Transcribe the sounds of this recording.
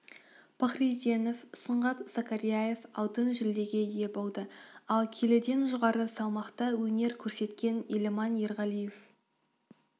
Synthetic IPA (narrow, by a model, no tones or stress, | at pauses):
pʰaχrit̪ʲeno̞fsəɴʁɑt̪z̥akaɾijaje̞fɑwt̪ənʒɪld̪e̞ɡʲe̞je̞bolˠd̪əɑlˠkʲʰeled̪e̞nʒʊʁɑɾəsɑwmɑqt̪ɑwɵne̞ɾkʲʰɵɾse̞t̪kʲe̞nilemɑnje̞ɾʁɑlijef